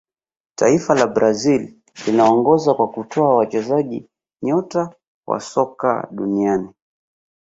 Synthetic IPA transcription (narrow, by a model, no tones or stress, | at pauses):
taifalabɾazil | linaɔŋɡɔzakwakutʰɔawat͡ʃɛzaʄi | ɲɔta | wa̰sɔka̰ɗuniani